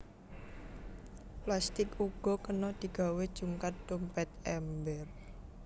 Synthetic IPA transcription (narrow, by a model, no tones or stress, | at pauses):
plast̪ɪkuɡ̥ɔ̤kənɔd̪̥i̤ɡ̥a̤wed̥ʒ̥uŋkat̪̚d̥ompɛt̪ɛmbɛr